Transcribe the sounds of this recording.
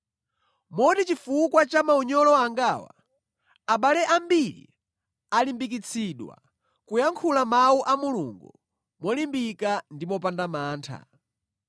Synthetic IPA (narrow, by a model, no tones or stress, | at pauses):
mɔtit͡ʃifukwat͡ʃamauɲɔlɔaŋɡawa̰ | aɓalɛʔambiɾḭ | alimbik̬it͡sʰiɗwa̰ | kujaŋkʰulamawuʔamuluŋɡu | mɔlimbikandimɔpandamaːntʰa̰